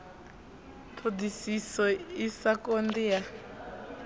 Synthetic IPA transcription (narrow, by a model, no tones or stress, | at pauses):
pʰudisisɔisakondija